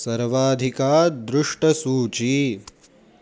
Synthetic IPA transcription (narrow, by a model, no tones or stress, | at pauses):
sɐɾʋaːd̪ʱikaːd̪ɾʊʂʈɐsuːt͡ʃi